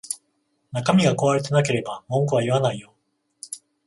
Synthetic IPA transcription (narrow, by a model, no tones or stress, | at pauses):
nakamʲiɡako̞βaɾe̞t̪e̞nake̞ɾe̞bamõ̞ŋkɯβaiβanaijo̞